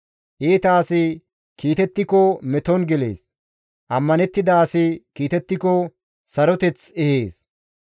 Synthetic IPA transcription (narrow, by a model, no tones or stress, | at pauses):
ʔeːt̪aːsɪ | kiːt̪ɛt̪ːɪkɔmɛt̪ɔnɡɪlḛːs | ʔɐmːɐnɛt̪ːɪd̪aːsɪkiːt̪ɛt̪ːɪkɔ | sɐɾɔt̪ɛt͡sɛheːs